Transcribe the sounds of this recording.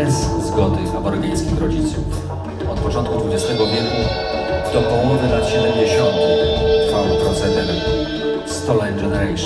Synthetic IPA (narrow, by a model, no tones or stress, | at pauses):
ɛzzɡɔd̪ɘzabɔɾɡʲaj̃skʲimɾɔd͡ʑit̪suf | ɔt̪pɔt͡ʂɔnt̪̚kud̪vud͡ʑɛst̪ɛɡɔvʲjɛt̪ɲa | z̥d̪ɔpɔ̃umɔvɘnat̪ɕɛd̪ɛmd͡ʑeɕɔnt̪ɛfawpɾɔt̪sɛd̪ɛd̪ | st̪ɔlɛnd͡ʒɛnɛɾɛjʂ